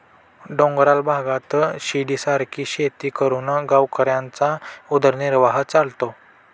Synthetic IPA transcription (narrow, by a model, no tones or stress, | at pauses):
ɖõŋɡɾalbʱaɡat̪ɕiɖiːsaɾkiːɕet̪iːkəɾunɡawkəɾjãnt͡saud̪əɾniɾʋaɦət͡salt̪o